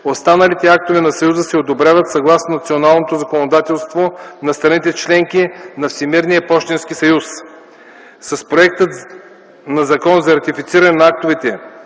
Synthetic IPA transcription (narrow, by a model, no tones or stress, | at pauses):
ost̪anɐlit̪ɛak̚t̪ovɛnɐsɐjuzəsɛod̪obɾʲavət̪sɐɡlˠasnonɐt̪sionalˠnot̪ozɐkonod̪at̪ɛlˠst̪vonɐst̪ɾɐnit̪ɛt͡ʃlɛŋkinɐfsʲimiɾnijəpɔʃt̪ɛnskisɐjus | sɐspɾoɛk̚t̪ət̪ | nɐzɐkɔnzɐɾɐt̪ifit̪siɾɐnɛnɐak̚t̪ovit̪ɛ